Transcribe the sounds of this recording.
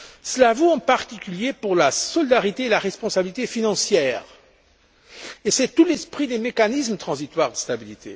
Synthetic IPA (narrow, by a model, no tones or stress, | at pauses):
səlavoɑ̃paʁt̪ikʲyljepuʁlasɔlid̪aʁit̪eːlaʁɛspɔ̃sabilit̪efinɑ̃sjɛːʁ | esɛt̪ulɛspχid̪emekanismət̪χɑ̃zit̪waʁd̪əst̪abilit̪ʰḛ